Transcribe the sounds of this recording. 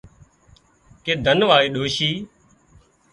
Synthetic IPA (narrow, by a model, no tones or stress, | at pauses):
keːd̪ʱənʋaːeːɗoːʃiː